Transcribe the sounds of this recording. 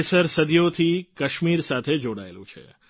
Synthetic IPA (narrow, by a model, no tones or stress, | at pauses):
səɾsəd̪ijot̪ʰikəʃmiɾsat̪ʰed͡ʒoɽa̰ḛlṵ̃t͡ʃʰḛ